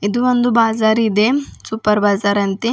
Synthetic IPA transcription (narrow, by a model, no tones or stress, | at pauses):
id̪uʋond̪ubaːzaːɾid̪esuːpɐɾbaːzaːɾɐnt̪i